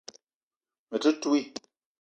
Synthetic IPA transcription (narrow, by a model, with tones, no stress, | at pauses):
mə˨tu˦tu˦i˦˨